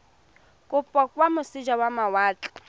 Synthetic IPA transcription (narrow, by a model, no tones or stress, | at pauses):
kʼʊpʼɔkʼwamʊsid͡ʒawamawaːt͡ɬʼḁ